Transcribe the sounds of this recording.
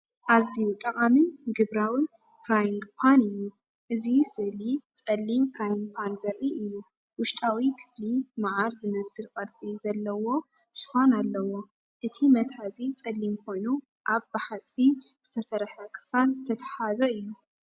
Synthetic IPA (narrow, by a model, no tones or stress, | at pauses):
ʔaziut̪ʼɐkʼamɨnɡɨβɾawɨn | fɾajiŋɡpʰanɨjːu | ʔɨzisɨlit͡sʼɐlːimfɾajiŋɡ̚pʰanzɐɾʔiʔɨjːu | wʊʃt̪ʼawikʰɨ̥flimaʕaɾzɨmɐsɨlkʼɐt̪t͡sʼizɐlːɐwo̞ | sɨ̥xonalːɐwo̞ | ʔɨt̪ʰimɐt̪ħazit͡sʼɐlːimkʰo̞jnu | ʔaβbaħat͡sʼinz̥ɨt̪ʰɐsɐɾħɐkʰɨ̥falzɨt̪ʰɐt̪ʰɐ̥ħazɐɨjːu